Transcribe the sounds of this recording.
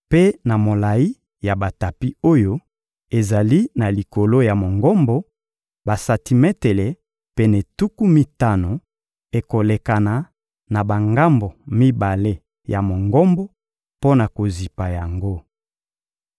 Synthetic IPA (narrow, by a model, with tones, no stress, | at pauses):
pe˦na˨mo˨la˨i˦ | ja˨ba˨ta˨pi˦o˦jo˦ | e˨za˨li˦na˨li˨ko˨lo˦ja˨mo˨ŋɡɔ˦mbo˦ | ba˨sa˨ti˨mɛ˦te˨le˨ | pe˦nɛ˨tu˦ku˦mi˦ta˦no˨ | e˨ko˨le˨ka˨na˨ | na˨ba˨ŋɡa˦mbo˨mi˦ba˨le˦ | ja˨mo˨ŋɡɔ˦mbo˦ | po˦na˨ko˨zi˨pa˨ja˨ŋɡo˦